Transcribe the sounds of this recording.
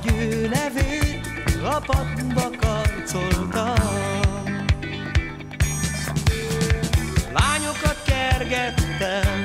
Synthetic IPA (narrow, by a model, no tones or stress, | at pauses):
ɟøːnɛveːt̪ | ɡɒpɒt̪bɒkɒpt̪solt̪ɒ | laːɲo̞kɒt̪kɛrɡɛt̪ːɛm